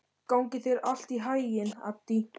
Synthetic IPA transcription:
kawŋcɪθejɾal̥t̪iɦaːjjɪna̰t̪i

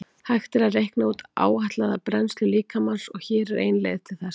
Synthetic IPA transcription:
hajxt̪ɪɾaðrejhknauːt̪a̰ːwhaht̪laðapɾɛnst̪lʏliːkamansɔɣçɛːɾɾḛːjnlḛjɣðt̪ʰɪlθɛs

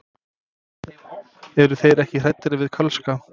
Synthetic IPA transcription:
ɛɾʏθejɾɛhcɪr̥ɛjt̪ːɪɾɪvɪðkʰœlska

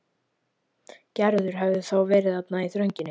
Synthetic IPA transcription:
cɛɾðʏɾ̥ɦɛvðʏθawvɛːɾɪðapnaiθɾœɥɲcɪnːɪ

